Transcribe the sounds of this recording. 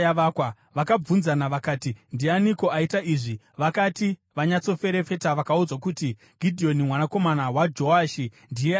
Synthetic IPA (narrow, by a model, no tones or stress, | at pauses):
jaʋaːkwa | ʋakab͡vunzanaʋakaːtindianiko̞aitaiːʐi | ʋakatiʋaɲat͡so̞fe̞ɾe̞fe̞taʋakaud͡zwakuti | ɡ̥ʱidʱio̞nimwanako̞manawad͡ʒo̞aːʃi | ndije